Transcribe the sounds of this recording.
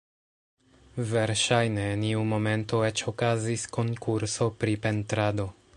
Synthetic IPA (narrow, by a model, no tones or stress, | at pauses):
ve̞ɾʃajne̞niumo̞me̞nto̞e̞t͡ʃo̞kazisko̞ŋkuɾso̞pɾipe̞ntɾado̞